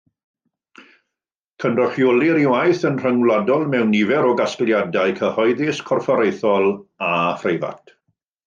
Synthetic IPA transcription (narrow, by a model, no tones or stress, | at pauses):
kʰənrɔχjɔlˠɪɾiwajθənr̥əŋwladɔlˠmɛwnivɛɾɔɡasklˠjadajkʰəhɔjðɪskʰɔrfɔɾejθɔlˠafrejva̰tʰ